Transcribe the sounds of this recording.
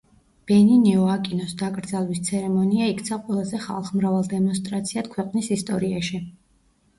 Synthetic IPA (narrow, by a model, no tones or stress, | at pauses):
b̥ɛninɛɔakʼinɔsd̪akʼɾd̪zalˠwist̪sʰɛɾɛmɔniaikʰt̪sʰaqʼwɛlˠazɛχa̰lˠχmɾavalˠd̪ɛmɔns̬t̪ʼɾat̪sʰiat̪kʰwɛqʼnisist̪ʼɔɾiaʃi